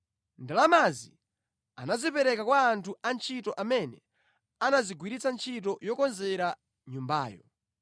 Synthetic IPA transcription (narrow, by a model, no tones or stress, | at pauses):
ndalamazi | anazipɛɾɛkakwaːntʰuant͡ʃʰitɔʔamɛnɛ | anaziɡwiɾit͡sant͡ʃʰit̬ɔjɔkɔnzɛɾa | ɲumba̰ːjɔ